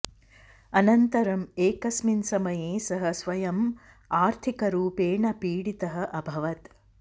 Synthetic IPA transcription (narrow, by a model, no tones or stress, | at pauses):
ɐnɐnt̪ɐɾɐmeːkɐsminsɐmɐjeːsɐɦɐsʋɐjɐm | aːɾt̪ʰikɐɾuːpeːɳɐpiːɽit̪ɐɦɐ̆ʔɐbʱɐʋɐt̪